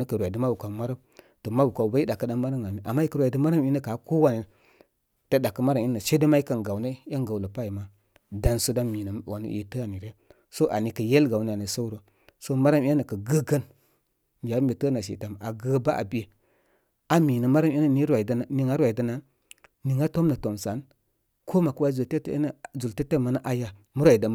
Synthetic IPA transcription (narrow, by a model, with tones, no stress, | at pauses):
nə˦kə˨ɾwa˨də˦ma˦wu˨ka˨˦ma˦ɾa˦m | to˨ma˦wu˨ka˨u˨ba˦i˦da˨kə˨da˦ma˦ɾa˦ma˨mi˦ʔa˨mːa˦ji˦kə˨ɾwa˨i˨də˦ma˦ɾa˦mi˦nə˦ka˨˦ko˦wa˨ni˨ | tə˦da˨kə˦ma˦ɾa˨mi˦na˨ʃe˦də˦ma˦i˦kə˨nɡa˨wnə˦a˦ŋ˦ɡa˨wlə˨pa˦ji˨ma˨ | da˨nso˦da˦mi˨nə˨wa˨nḭ˨ʔtə˦a˨ni˨ɾe˦ | so˦ʔa˨ni˨kə˨je˦lɡa˨wnə˦a˨ni˨so˦wɾo˨ | so˦ma˦ɾa˦mi˦a˦nə˨kə˨ɡə˦ɡə˦n˨ | ja˨˦mbe˨tə˦na˨ʃ̬ḭ˨ta˨m˨a̰˨ɡə˦ba˦ʔa̰˨bi˦e˦ | a˨mi˨nə˨ma˦ɾa˦m˦i˦nə˨ni˦ɾa˨dni˨ŋa˦ɾwa˨i˨da˦na˨ | ni˨ŋa˦to˦mna˨to˨msa˨˦n | kʰo˦ma˨kə˦wa˦i˦zu˨te˦tn˨zu˨lte˦te˦ma˨na˦ʔa˦ja˦ | mu˦ɾwa˨i˨da˨m˦